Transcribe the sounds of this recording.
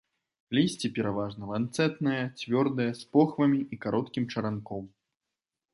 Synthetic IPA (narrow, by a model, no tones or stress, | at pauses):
lʲisʲt͡sʲipʲɛɾavaʐnɐlant̪sɛt̪nɐjɐt͡sʲvʲɔrd̪ɐjɐspɔxvɐmʲiʔikaɾʔɔt̪kʲimt͡ʂɐɾankɔm